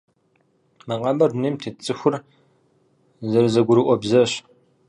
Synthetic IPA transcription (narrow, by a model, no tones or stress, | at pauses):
mɐqɑmɐrneːmtʰet͡sʼɨxʷʊr | zɐɾɨzɐɡʷʊɾɨʔʷɔbzɐɕ